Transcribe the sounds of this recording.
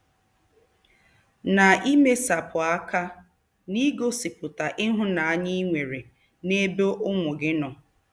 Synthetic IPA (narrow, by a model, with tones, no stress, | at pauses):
na˨i˦me˦sa˨pʰʊ˨a˦ka˦ | ni˦ɡo˦sɪ˨pʊ˨ta˨ʔɪ˦ɦʊ˦na˨a˦ɲɪ˦i˦ŋʷe˨ɾe˨ | ne˦bo˦ʔʊ˦mʊ˨ɡɪ˦nɔ˨